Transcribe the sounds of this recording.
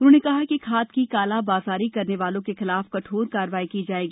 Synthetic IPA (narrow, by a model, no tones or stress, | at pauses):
ʊnɦõnekɐɦakikʰaːt̪kikaːlabaːzaːɾikɐɾneʋaːlõkexɪlaːfkɐʈʰoːɾkaːɾʋaːikid͡ʒaːeːɡiː